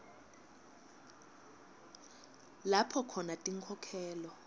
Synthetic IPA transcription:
lapʰɔkʰɔnatʼiŋkʰɔkʰɛːlɔ

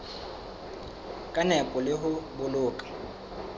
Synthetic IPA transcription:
kʼanɛpʼɔlɪɦʊbʊlʊːkʼḁ

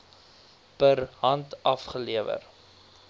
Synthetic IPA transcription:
pəɾɦɐntɐfχəliəvə̰r

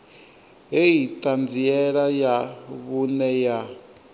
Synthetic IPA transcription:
ɦeitʼand͡ziɛɺajaβunɛja

